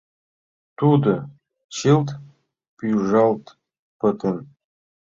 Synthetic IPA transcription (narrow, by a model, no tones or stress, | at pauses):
t̪ud̪ɤ | t͡ɕilˠt̪ | pyʒɑlˠt̪ | pɤ̆t̪en